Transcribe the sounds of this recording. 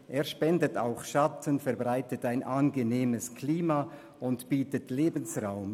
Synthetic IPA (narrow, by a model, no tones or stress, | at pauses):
ʔeːɐʃpɛndətaʊxʃatʰənfɛɐbʁaɪtətaɪnʔanɡəneːməskʰliːma | ʔʊntb̥iːtətleːbən̩sʁaʊm